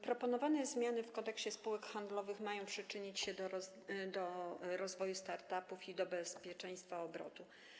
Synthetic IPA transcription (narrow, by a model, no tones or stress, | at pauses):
pɾɔpɔnɔvanɛzmʲjanɘfkɔnt̪ɛkɕt͡ɕɛspuwɛkxand̪lɔvɘxmajɔ̃w̃pʂɘt͡ʂɘɲit͡ɕɕɛd̪ɔ | d̪ɔɾɔzvɔjust̪aɾt̪apufid̪ɔbɛspʲjɛt͡ʂɛj̃st̪faɔbɾɔ̰t̪u